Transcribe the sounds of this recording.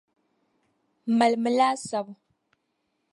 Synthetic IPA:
ma˨lmɨ˨laː˦sa˨bu˨

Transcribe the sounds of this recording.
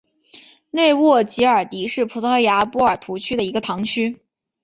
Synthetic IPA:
ne˥˧ɪwɔ˥˩t͡ɕi˧˥ə˞˨˩t̪i˧˥ʂɻ̩˥˩pʰu˧˥t̪ʰɤ˧˥ja˧˥pu˧˥ə˞˨˩t̪ʰu˧˥t͡ɕʰy˥d̪ə˨i˧˥ɡə˧t̪ʰɑ˧˥ŋt͡ɕʰy˥

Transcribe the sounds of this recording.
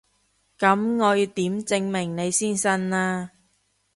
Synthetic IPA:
kɐ˨˥mŋɔː˨˧jt̪iː˨˥mt͡sɪ˧ŋmɪ˨˩ŋne˨˧jsiː˥nsɐ˥nlaː˧

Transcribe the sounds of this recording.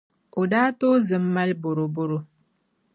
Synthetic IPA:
o˨daː˦to˦zɨ˨mːa˦lbo˨ɾo˨bo˦ɾo˨

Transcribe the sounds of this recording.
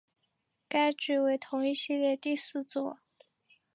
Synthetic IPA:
ka˥ɪt͡ɕy˧˩we˧˥ɪt̪ʰʊ˧˥ŋi˥˩ɕi˥˧ljɛ˥˧t̪i˥˧sɹ̩˥˧t͡swɔ˥˩

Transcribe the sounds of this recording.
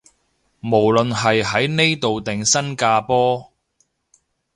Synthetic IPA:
mo˨˩wlɵ˨nɦɐ˨jɦɐ˨˥jne˥jt̪o˨wt̪ɪ˨˩ŋsɐ˥nkaː˧pɔː˥

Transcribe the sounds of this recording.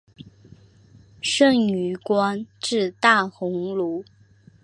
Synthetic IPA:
ʂə˥˩ŋy˧˥kwa˥nʈ͡ʂɻ̩˥˧t̪a˥˩xʊ˧˥ŋlu˧˥˦

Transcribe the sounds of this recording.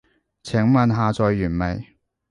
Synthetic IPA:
t͡sʰɪ˨˥ŋmɐ˨nɦaː˨˧t͡sɔː˨jːyː˨˩nme˨˩j

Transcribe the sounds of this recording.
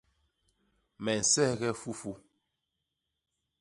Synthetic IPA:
mɛ˨n̩˨sɛ˦ɣɛ˦fu˦fu˦

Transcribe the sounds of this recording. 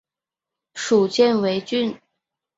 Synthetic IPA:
ʂu˨˩t͡ɕjɛ˥˧nwe˧˥ɪt͡ɕy˥˧n

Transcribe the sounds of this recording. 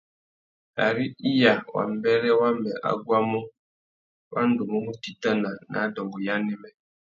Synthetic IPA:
a˨ɾi˦i˦ja˨wa̰˨m̩˦bɛ˦ɾɛ˦wa˦mɛ˨ʔa̰˦ɡʷwa˦mɔ˦ | wʔa˦n̩˦du˨mɔ˦ŋu˦ti˨ta˦na˨na̰˨˦dɔ˨ŋɡɔ˨ja˦nɪ˦mɛ˦

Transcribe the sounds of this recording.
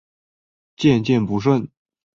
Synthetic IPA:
t͡ɕjɛ˥˧nt͡ɕjɛ˥˩npu˧˥ʂ̬wə˥˩n

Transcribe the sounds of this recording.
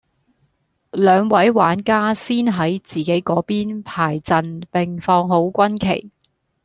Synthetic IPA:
lœː˨˧ŋwɐ˨˥jwaː˨˥nkaː˥siː˥nɦɐ˨˥jt͡siː˨ke˨˥jkɔː˨˥piː˥npʰaː˨˩jt͡sɐ˨npɪ˨ŋfɔː˧ŋɦo˨˥wkʷɐ˥nkʰḛ˨˩j

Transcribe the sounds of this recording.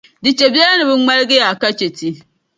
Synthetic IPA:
dɪ˨t͡ʃe˨ba˦a˦nɪ˨bʊ˦ŋma˦ɾɡɪ˦ja˨ka˦t͡ʃe˨ti˦

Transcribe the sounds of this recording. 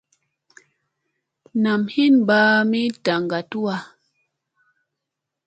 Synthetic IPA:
na˨mhi˦nba˦mi˦ta˨ŋɡa˨tu˦a˦

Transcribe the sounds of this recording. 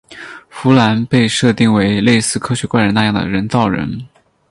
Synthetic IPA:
fu˧˥la˧˥npe˥˧ɪʂɤ˥˧t̪i˥˩ŋwe˧˥ɪle˥˧ɪsɹ̩˥˩kʰɤ˥ɕɥɛ˧˥kwa˥˩nɻə˧˥na˥˧jɑ˥˩ŋd̪ə̰˩ɻə˧˥nt͡sɑ˥˩ʊɻə̰˧˥n

